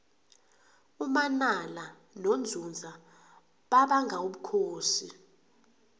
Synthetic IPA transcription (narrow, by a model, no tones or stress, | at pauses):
umanala | nond͡zʱund͡zʱa | ɓaɓaŋɡʱauɓukʰoːsi